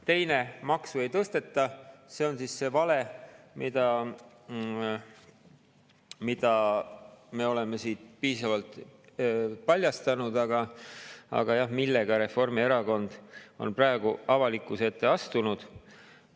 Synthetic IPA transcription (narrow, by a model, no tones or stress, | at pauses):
t̪e̞jne̞mɑksue̞jt̪ɤst̪e̞t̪ːˑɑse̞o̞nsiːsːe̞vɑle̞mid̪ɑ | mid̪̥ɑ | me̞o̞le̞mesiːt̪piːsɑvɑlt̪ | pɑlʲjɑst̪ɑnud̪ɑɡ̥ɑ | ɑ̰ɡ̥ɑjɑhmilːeɡ̥ɑɾe̞fo̞rmieɾɑko̞nd̪̥o̞̰nprɑeɡ̥uʔɑvɑlikːˑuset̪ːˑe̞ɑst̪unud̪̥